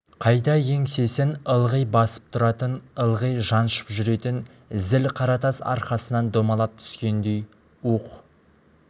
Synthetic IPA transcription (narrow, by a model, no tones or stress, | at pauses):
qʰɑjd̪ɑje̞ŋse̞sɪnəlˠʁəjbɑsə̥p̚t̪ʰʊɾɑt̪ənəlˠʁəjʒɑnʃə̥pʒʏɾe̞t̪ɪn | ɪzɪlqʰɑɾɑt̪ɑsɑ̰ɾqɑsənɑnd̪o̞mɑlˠɑp̚t̪ʰʏ̥skʲe̞nd̪e̞j | uq